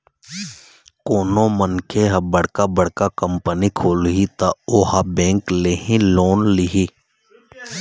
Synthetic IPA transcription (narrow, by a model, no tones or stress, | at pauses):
koːnõmənkʰeɦɐbəɽ̤kabəɽ̤kakəmpənikʰoːlɦit̪aoːhabẽːŋkleɦĩloːnliɦi